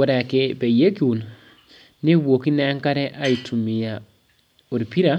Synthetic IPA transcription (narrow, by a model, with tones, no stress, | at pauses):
o˦ɾɛ˨ke˦bɛ˨je˦ki˦u˨n | ne˦wwo˨ki˦nɛ˦ŋka˦ɾɛ˦ʔa˦i˨tʰu˨mi˨ja˨ | o˨ɾi˨pi˦ɾa˦